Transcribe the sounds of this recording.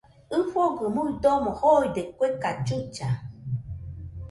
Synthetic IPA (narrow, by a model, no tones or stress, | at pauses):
ɨfoɡɨmuidomohojdekʷekad͡ʒut͡ʃa